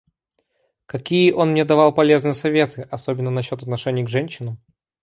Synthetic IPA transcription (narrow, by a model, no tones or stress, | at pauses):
kɐkʲijəʔo̞nmnʲed̪ɐvɑlˠpɐlʲe̞znɨjəsɐvʲe̞t̪ʰɨʔɐsobʲɪnːənɐɕːo̞t̪ɐt̪nɐʂɛnʲɪjəɡʐɛnʲɕːɪnəm